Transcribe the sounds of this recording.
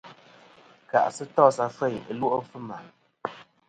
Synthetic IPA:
ka̰˨ʔsɨ˦tɔ˦˨sa˨fɛ˦˨jə̰˨lu˦ʔo˦fɨ˦ma˨

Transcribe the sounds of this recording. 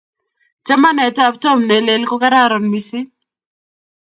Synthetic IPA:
d͡ʒa˦ma˦nɛ˨ta˦˨ptɔ˦˨mne˨˦le˨lkɔ˦ka˦ɾa˦˨ɾɔ˨nmi˨sɪ˦

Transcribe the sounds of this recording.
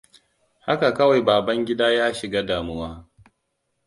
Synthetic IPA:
ha˦ka˨kɐ˦wa˨jbaː˨bɐ˦ŋɡʲɪ˦daː˦jaː˦ʃɪ˨ɡaː˦daː˨mʊ˦waː˦

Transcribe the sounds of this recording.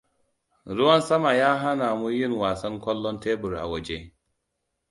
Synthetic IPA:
ɾʊ˦wɐ˦nsɐ˦ma˨jaː˦ɦa˦naː˨mu˦jɪ˦˨ŋwaː˨sɐ˦ŋkʷɔ˦lːɔ˦nteː˦bʊ˨rʔa̰˨wɐ˨d͡ʒe˦

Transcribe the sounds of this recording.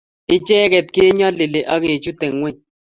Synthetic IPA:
ɪ˦t͡ʃɛ˦kɛ˨t̚kɪ˦ɲɔ˦lɪ˨le˨ʔa˦ke˨t͡ʃu˦te˨ŋŋwɛ˦ɲ

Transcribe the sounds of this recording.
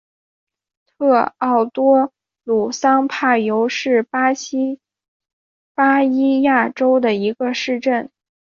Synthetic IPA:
t̪ʰɤ˥˧ɑ˥˩ʊt̪wɔ˥ | lu˨˩sɑ˥ŋpʰa˥˩ɪjo˧˥ʊʂɻ̩˥˩pa˥ɕ | pa˥i˥ja˥˩ʈ͡ʂo˥ʊd̪ə˨i˧˥ɡə˧ʂɻ̩˥˧ʈ͡ʂə˥˩n

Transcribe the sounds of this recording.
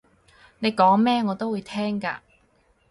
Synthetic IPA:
ne˨˧jkɔː˨˥ŋmɛː˥ŋɔː˨˧t̪o˥wuː˨˧jt̪ʰɛː˥ŋka̰ː˧

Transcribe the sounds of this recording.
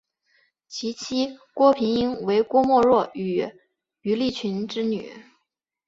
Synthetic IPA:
t͡ɕʰi˧˥t͡ɕʰi˥kwɔ˥pʰi˧˥ŋi˥ŋwe˧˥ɪkwɔ˥mwɔ˥˧ɻwɔ˥˩y˨˩ | y˧˥li˥˩t͡ɕʰy˧˥nʈ͡ʂɻ̩˥ny̰˨˩˦

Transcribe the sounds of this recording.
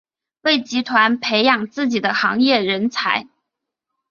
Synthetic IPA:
we˥˩ɪt͡ɕi˧˥t̪ʰwa˧˥npʰe˧˥ɪjɑ˨˩ŋt͡sɹ̩˥˩t͡ɕi˨˩d̪ə˦xɑ̰˧˥ŋjɛ˥˩ɻə˧˥nt͡sʰa˧˥ɪ

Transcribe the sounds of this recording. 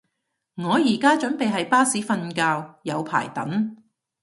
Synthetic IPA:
ŋɔː˨˧jiː˨˩kaː˥t͡ʃɵ˨˥npe˨jɦɐ˨jpaː˥siː˨˥fɐ˧nkaː˧wjɐ˨˧wpʰa̰ː˨˩jt̪ɐ˨˥n

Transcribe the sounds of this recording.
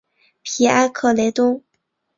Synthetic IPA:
pʰi˧˥a˥nkʰɤ˥˩le˧˥ɪt̪ʊ˥ŋ

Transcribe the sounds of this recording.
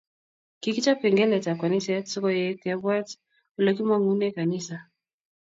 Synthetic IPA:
ki˨ki˦t͡ʃa˦pɛ˨ŋɡɛ˦lɛ˨t͡ʃa˨kwa˨ni˦ssɔ˦kɔ˦jɛkabwa˦t | u˨lɔ˦ki˦ma˦ŋu˦nɛ˦ka˨nisa˨

